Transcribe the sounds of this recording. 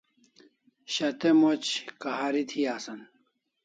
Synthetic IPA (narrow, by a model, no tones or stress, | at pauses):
ɕɐt̪emot͡ɕkaɦaɾit̪ʰiaːsɐn